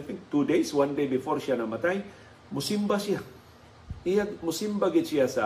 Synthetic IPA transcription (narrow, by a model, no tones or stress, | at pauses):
fiŋ̚t̪udejswãndejbifɔrʃianamat̪aj | musimbasia | iamusimbaɡet͡ʃiasa